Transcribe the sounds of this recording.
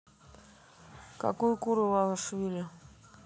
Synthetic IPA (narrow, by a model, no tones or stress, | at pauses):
ka̰kujʊkuɾɨvalˠʂvʲilʲʊ